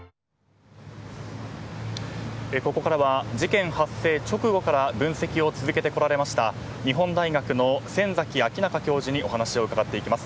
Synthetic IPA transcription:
eko̞ko̞kaɾaβad͡ʑikẽ̞ɰ̃hasːe̞ːt͡ɕo̞kɯ̟ɡo̞kaɾabɯ̟̃ɰ̃se̞kʲio̞t͡sɨzɨke̞t̪e̞ko̞ɾaɾe̞maɕi̥t̪a | ɲ̟iɦõ̞nd̪aiɡakɯ̟no̞sẽ̞nzakʲiakʲinakakʲo̞ːʑiɲ̟iʔo̞ɦanaɕio̞ɯ̟kaɡat̪ːe̞ikʲimasɨ̥

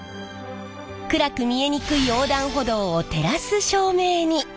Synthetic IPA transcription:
kɯ̟ɾakɯ̟mʲie̞ɲ̟ikɯ̟io̞ːd̪ãɰ̃ɦo̞d̪o̞ːt̪e̞ɾasɨɕo̞ːme̞ːɲ̟i

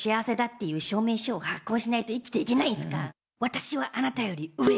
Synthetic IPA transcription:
ɕiaβase̞d̪at̪ːe̞jɯ̟ːɕo̞ːme̞ːɕoːhakːo̞ːɕinait̪o̞ikʲi̥t̪e̞ike̞naĩsɨ̥ka̰ | βat̪aɕiβaʔanat̪ajo̞ɾʲiɯ̟e

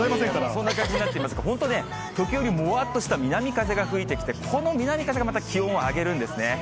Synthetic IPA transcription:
imasẽŋkaɾsõ̞nːakãɲd͡ʑiɲ̟inat̪ːeimas̬ɨ̥kaɦõ̞nt̪o̞ne̞ | t̪o̞kʲijo̞ɾʲimo̞at̪ːo̞ɕi̥t̪amʲinamʲikaze̞ɡaɸɯ̟it̪e̞kʲi̥t̪e̞kʰo̞no̞mʲinamʲikazeɡamat̪akʲʰiõɰ̃oaɡe̞ɾɯ̟̃nd̪e̞sɨne̞

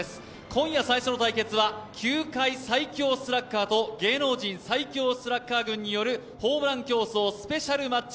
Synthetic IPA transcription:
esɨ̥ | kʰõ̞ɰ̃jasaiɕo̞no̞t̪aike̞t͡sɨβakʲʰɨːkaisaikʲo̞ːsɨɾakːaːt̪o̞ɡe̞ːno̞ːʑĩɰ̃saikʲo̞ːsɨɾakːaːɡɯ̟̃ɲ̟ːijo̞ɾɯ̟ | ho̞ːbɾãŋkʲo̞ːso̞ːsɨ̥pe̞ɕaɾɯ̟mat͡ɕː

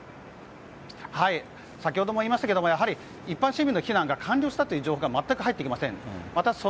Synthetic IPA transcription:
hai | sakʲiho̞d̪o̞moiːmaɕit̪ake̞d̪oojaɦaɾʲi | ipːãɰ̃ɕimʲĩnːo̞çʲinãŋɡakʰãɲʲɾʲoːɕi̥at̪o̞jɯ̟d͡ʑo̞ːhoɡamat̪ːakɯ̟ɦait̪ːeikʲimasẽ̞ŋmat̪aso

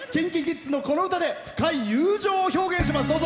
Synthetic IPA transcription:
kẽ̞ŋkʲiɡʲit͡sɨno̞ko̞no̞ɯ̟t̪ad̪e̞ɸɯ̟̥kaijɯːʑoːoço̞ːɡẽ̞ɰ̃ɕ̬imasɨd̪oːzo

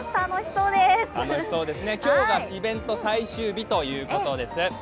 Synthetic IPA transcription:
t̪anoçʲi̥so̞ːd̪est̪anoçi̥so̞ːd̪e̞sɨne̞kʲo̞ːɡaibẽ̞nt̪o̞saiɕɨːbʲit̪o̞jɯ̟ːko̞t̪o̞d̪e̞sɨ

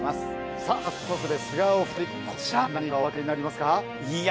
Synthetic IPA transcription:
asɨ̥ | sḁt̪osɨd̪e̞sɡaoɸɯ̥t̪e | kʰot͡ɕiɾanaɲikaoake̞ɲ̟inaɾʲimasɨ̥ka | i

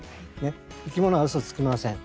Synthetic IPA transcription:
ne̞ikʲimono̞aɯsot͡sɨ̥kɯimasẽŋ

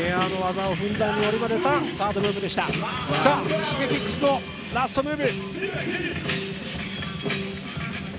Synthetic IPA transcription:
eano̞βazaoɸɯ̟̃nd̪aɲ̟ːio̞ɾʲimad̪e̞t̪asaːd̪omɯ̟ːbid̪e̞ɕi̥t̪asaːɕĩŋɡekʲikːɯ̥sɨno | ɾasɨ̥t̪o̞mɯ̟ːbʲi

